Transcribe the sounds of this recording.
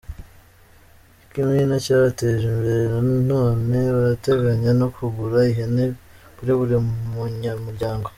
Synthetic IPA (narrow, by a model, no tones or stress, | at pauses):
kimŋenacaːɾateʒimbeɾeɾanin̥oːme̞βaɾate̞ɡaɲano̞kʰuɡuɾaiɦene | buɾeβuɾemuɲamuɾɟaːŋɡo̞